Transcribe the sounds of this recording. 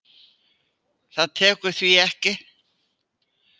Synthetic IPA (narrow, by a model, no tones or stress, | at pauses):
θaðt̪ʰɛːkʏɾ̥θviɛhcɪ